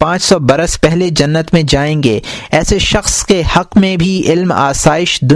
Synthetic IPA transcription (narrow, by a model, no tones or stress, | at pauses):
pãːt͡ʃsɔbɐɾəspɛɦled͡ʒɐnːət̪mẽd͡ʒaːẽːŋɡeːɛːseʃɐxskehɐqmẽbʱiɪlma̰ːsaːɪʃd̪ʊ